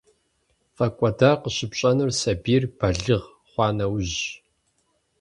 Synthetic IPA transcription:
fɐkʷʼɔdaːqəɕɪpɕʼɐnɨrsɐbiːrbɐɮɨʁ | χʷɑːnɐwʑ

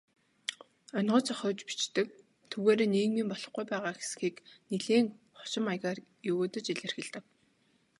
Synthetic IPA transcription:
œnɢɞ̆t͡sɔχɞːt͡ɕpi̥t͡ɕt̪ɘ̆k̚ | t̪ʰuɣeːɾeːneːɣmiːmpɔɮɞ̆χɡujpæːʁaːxe̥sɘ̥̆xiːkniɮeːŋχɔ̥t͡ɕɪ̆majʁaːr | jɵɣoːt̪ə̆t͡ɕiɮɘ̆rxɘ̆ɮt̪ɘ̆k̚

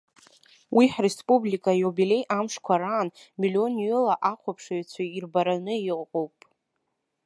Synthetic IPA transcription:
wʔiħre̞spʼublikʼajobile̞jʔamʂkʷʰaɾaːnmilʲio̞njʏlaʔaqʷʰapʰʂaɥt͡ɕʷʰairbaɾanɨiqqʷʼowpʼ

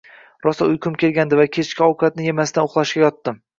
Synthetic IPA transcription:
ɾɒsaʊjkʰʊmkʲʰe̞lɡʲand̪ɪvakʲʰe̞t͡ʃkʲɪɒwkʰat̪̚nɪjemasɪd̪anoχlˠaʃkʲajɒt̪ːɪm

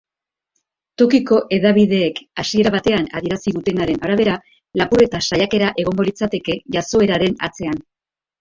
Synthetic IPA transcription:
t̪uɾkiko̞ʔe̞ðaβ̞iðe̞ːkasie̞ɾaβat̪e̞ana̰ðie̞ɾasiðut̪e̞naɾe̞naɾaβ̞e̞ɾa | lapure̞t̪asajake̞ɾaʔe̞ɣ̞o̞ŋɡo̞lit͡sat̪e̞ke̞ʝaso̞e̞ɾaɾe̞na̰t͡se̞an

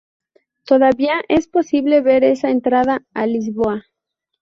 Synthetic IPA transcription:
t̪o̞ðaβiaʔe̞spo̞siβle̞βe̞ɾe̞saent̪ɾaðaːlizβoa

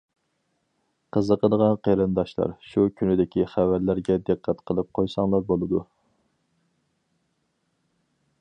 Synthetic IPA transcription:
qʰəzəqʰəd̪ʁɑnqʰeɾɨnd̪ɑʃlˠɑ̰ɾʃukʲʰynɪd̪ɪkʲiχævæɾlæɾɡʲɛd̪ɨqʰːɛt̪qʰəlˠɨp̚qʰojsɑŋlˠɑɾbolˠɨd̪u

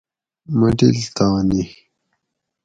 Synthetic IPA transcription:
mɐɖilt̪aːni

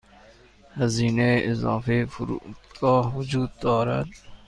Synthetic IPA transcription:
həziːneːɪzɑːfeːfʊɾṵːt̪kaːʋʊd͡ʒuːd̪̚t̪ɔːɾə̰t̪

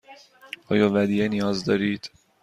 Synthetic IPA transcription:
hɒjovæd̪iɛniɒzd̪ɒɾiːd̪

